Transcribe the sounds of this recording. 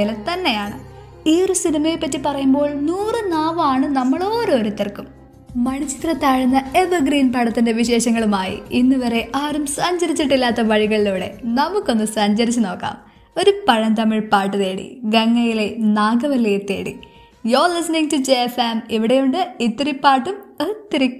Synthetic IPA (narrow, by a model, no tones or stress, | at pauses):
ilet̪ɐnːe̞jaːɳɨ | iːrusinɐmɐjepːɐtːipɐrɐjumbo̞ːɭnuːrɨnaːʋaːɳɨnɐmːɐɭo̞ːɾoːɾit̪ːɐrkːum | mɐɳit͡ɕːi̥t̪rɐt̪ːaːɻunːɐe̞ʋɐɡriːnpɐɽɐt̪ːinde̞ʋiɕe̞ːɕɐŋːɐɭumaːjḭinːɨʋɐɾeʔaːrumsɐɲd͡ʑɐɾit͡ɕːiʈːilːaːt̪ːɐʋɐɻiɣɐɭiluːɽe̞̰nɐmukːo̞nːɨsɐɲd͡ʑɐɾit͡ɕːuno̞ːkːa̰ːm | o̞ɾupɐɻɐnt̪ɐmːiɻpaːʈːɨðeːɽḭɡɐŋːɐjile̞naːɡɐʋɐlːet̪ːḛːɽḭ | joːlisɐniŋɡtud͡ʑeefɐmiʋiɽejuɳɖɨit̪ːiripːaːʈːumɐt̪ːiɾi